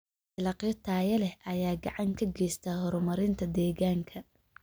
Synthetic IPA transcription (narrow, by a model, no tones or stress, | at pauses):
ɪlɑqjɐt̪ʰaːjɐlɛhʔɐjaːɡɑʕɑŋkʰɐɡɛjst̪ʰahɔɾʊmɐɾɪnt̪ʰɐd̪ɛːɣaːŋkʰɐ